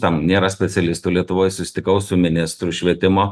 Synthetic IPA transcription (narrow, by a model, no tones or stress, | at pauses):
t̪ɐmnʲeːɾɐsʲpʲɛsʲɛlʲɪst̪uːlʲiɛt̪ʊʋoːjsʊsʲɪ̥t̪ʲɪkɐʊsʊmʲɪnʲɪst̪ɾuʃʲʋʲiɛt̪ʲɪmoː